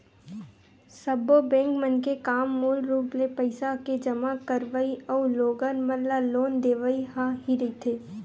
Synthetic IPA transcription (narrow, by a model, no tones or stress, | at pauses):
səbobɛ̃ːŋkmənkekaːmːoːlɾuːplepəɪsaked͡ʒəmakəɾʋəiɔːloːɡənmənlaloːnd̪eːʋəiɦaɦiɾɐit̪ʰeː